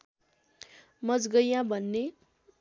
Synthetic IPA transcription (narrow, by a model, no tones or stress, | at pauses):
mʌd͡zɡʌjãbʱʌnːe